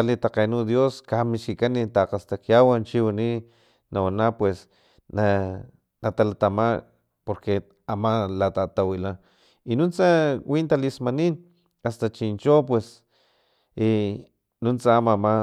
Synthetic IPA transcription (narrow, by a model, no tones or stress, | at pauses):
alit̪aqenud̪joskamiʃkikanit̪aqast̪akjawant͡ʃiwani | nawanapwes | na | nat̪alat̪ama | poɾke | amalat̪at̪awila | inunt͡sawint̪alismanin | ast̪at͡ʃint͡ʃop̬wes | i | nunt͡saamama